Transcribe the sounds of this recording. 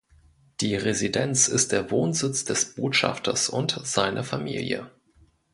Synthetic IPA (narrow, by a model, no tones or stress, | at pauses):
d̥iːʁezidɛnt͡sɪst̚d̥eːɐvoːnzɪt͡sd̥ɛsb̥oːtʃa̰ftʰɐ̰sʊntz̥aɪnʔɐfamḭːljə̰